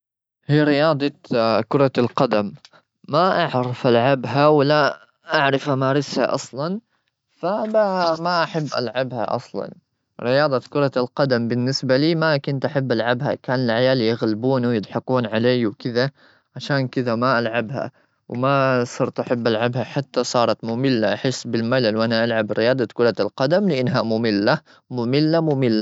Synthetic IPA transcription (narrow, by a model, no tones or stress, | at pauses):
hiːɾɪjɑːd̪ˤɑkʊɾˤɑlqɑd̪amː | aʔaʕɾˤɑfʔalʕabɦawɪla | ʔaʕɾɪfhamaːɾˤɪsha̰ʔɑ̰sˤlɑn | fabamaʔaħabːʔa̰lʕabha̰ʔɑ̰sˤlɑ̰n | ɾɪjɑːd̪ˤɑkʊɾˤɑlqɑd̪ambɪnːɪsbaliːmakʊnt̪ʔaħabːʔalʕabha̰kaːnɪlʕajaːlijɪɣlɪbuːnwjɪd̪ˤħɑquːnʕaleːwkɪða | ʕaʃaːnkɪðamaʔalʕabha̰ | wmasˤɑɾt̪ʔaħabːʔalʕabhaħat̪ːasˤɑːɾˤɑt̪mʊmɪlːaʔaħɪsːbɪlmalalwʔanaʔalʕabɾɪjɑːd̪ˤɑt̪kʊɾˤɑlqɑd̪amlɪʔanːɦamʊmɪlːa | mʊmɪlːamʊmɪlːa